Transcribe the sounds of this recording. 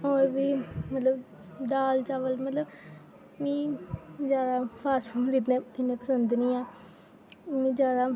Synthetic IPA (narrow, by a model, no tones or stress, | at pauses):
ɔːɾbiːmət̪ləb | d̪aːlt͡ʃaːʋəlmət̪ləb | mĩːzjaːd̪aːpʰaːsfuːɾit̪nẽːɪnːẽːpəsənd̪nĩːãː | mĩːzjaːd̪aː